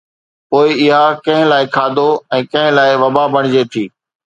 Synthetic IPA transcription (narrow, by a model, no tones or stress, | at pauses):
poːɪɪɦakɐ̃ɦɪ̃laːɪkʰaːd̪ʱoɛ̃ːkɐ̃ɦɪ̃laːɪʋɐbabəɽ̃ɪd͡ʑeːt̪ʰiː